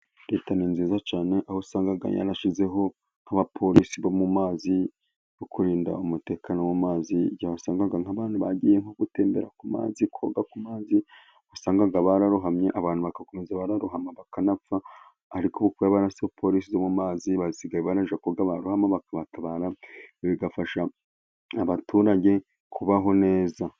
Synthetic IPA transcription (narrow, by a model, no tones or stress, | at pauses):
ɾe̞ːtaniːnziːzat͡ʃaːne̞ʔahosaːŋɡaɡa̰ɲa̰naʃize̞ɦo̞ | ŋhaβapʰo̞ɾisiβo̞mumaːzi | jokuɾiːnda̰umute̞ːkanowumaːziɟaβasaːŋɡaɡaŋaβaːnuβaɟijeŋoɡute̞ːmbe̞ɾakuma̰ːzikʰoɡakumaːzi | usaːŋɡaɡaβaɾaɾuɦamɲeʔaβaːn̥uβakako̞mezaβaɾaɾuɦamaβakanafa | haɾikoβukwijaβaɾasepʰo̞ɾiːsizomumaːziβaziɡaiβaɾaʒakoɡaβaɾuhamaβakaβataβaːɾaβiɡafaʃa | aβatuːɾaɟe̞ | kʰuβaɦo̞ne̞ːza